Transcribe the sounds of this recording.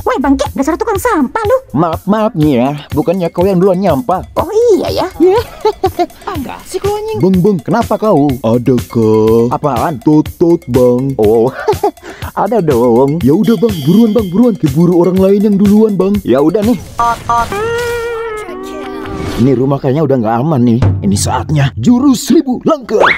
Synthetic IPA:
wabaŋkeʔŋɡaʔsaɾut̪ukaŋsampalumap̚map̚ɲajabukanɲakaujaŋduluanɲampaoija̰jaja | aŋɡa̰sɪkluaɲaŋbəŋbəŋkənapakauadakəapaːnt̪ot̪ːot̪̚baŋo | a̰dadawɔwɔŋjaudahbaŋbuɾuanbaŋbuɾuankəbuɾuoɾaŋlaɪnjaŋduluanbaŋjaudahnɪh | ɔt̪̚ɔt̪ | iniɾumahkaɲaudaŋɡaːmanːɪhinisaat̪̚ɲad͡ʒuɾusɾibulaŋkə

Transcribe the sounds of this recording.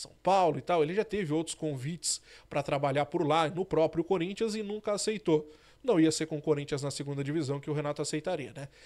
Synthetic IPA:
sɐ̰̃w̃pawlʊɪt̪awelɪʒat̪evɪowt̪ɾʊ̥skõvit͡ʃɪ̥spɾɐt̪ɾabaʎaɾpoɾlanʊpɾɔpɾjʊkoɾĩnt͡ʃiɐzɪnũkɐasejt̪o | nɐ̃w̃iɐseɾkõkoɾĩt͡ʃiɐznɐseɡũd̪ɐd͡ʒivizɐ̃w̃kɪʊɦenat̪ʊasejt̪aɾiɐnɛ

